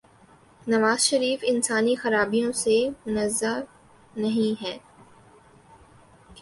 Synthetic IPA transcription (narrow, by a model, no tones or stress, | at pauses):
nɐʋaːzʃɐɾiːfɪnsaːnixɐɾaːbijõsemʊnɐzːa | nɐɦĩɦɛː